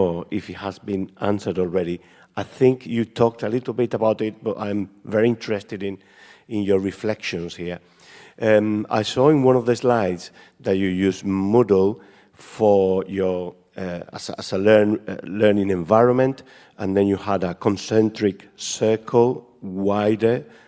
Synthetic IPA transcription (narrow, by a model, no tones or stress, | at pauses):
ɪfithazbĩnãnsə˞dɔlˠɹɛɾi | ajθɪ̃ŋkʰjɨtʰɔk̚tʰəlɪɾl̩ˠbɪtəbawtɪt̚b̥ʌtã̰j̃mvɛɹiɪ̃ntəɹɛstɪdɪ̃n | ɪ̃njə˞ɹiflɛkʃɔ̃nshiɹ | ʔɛma̰jsɔɪ̃nwʌ̃nɔvðɪslajds | ðatjɨjʉzmɔdlˠ | fɔ˞jɔ | a̰sa̰səlɛ˞nlɜ˞nɪ̃ŋɛ̃ɱvaɪjɹɔ̃nmɛ̃nt | ãnd̪ɛ̃njuhadəkʰɔ̃nsɛ̃ntɹɪksɜ˞kʰəlˠ | wajdə˞